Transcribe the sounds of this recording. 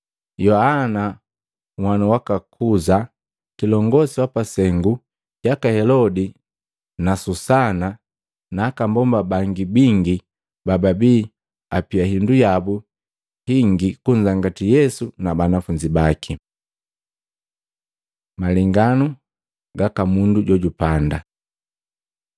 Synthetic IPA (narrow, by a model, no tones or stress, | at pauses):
jɔhana | ŋwanuwakakʰuza | kilɔŋɡɔsiwapasɛŋɡu | jakahɛlɔdi | nasusana | naːkambɔmbabaŋɡibiŋɡi | bababiː | apiaɦindujabu | hiŋɡikuɲd͡ʒaŋɡatijɛsunabanafuɲd͡ʒibakʰi | maliŋɡanu | ɡakamunduɟɔɟupanda